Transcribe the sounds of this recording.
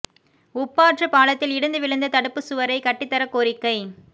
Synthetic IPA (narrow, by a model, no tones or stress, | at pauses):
ʊpːaːʈrɯpaːlɐt̪ːɪlɪɽɯnd̪ɯʋɪɭɯnd̪ɐt̪ɐɽɯpːɯsʊʋɐɾɐɪkɐʈːɪt̪ːɐɾɐkːoːɾɪkːɐɪ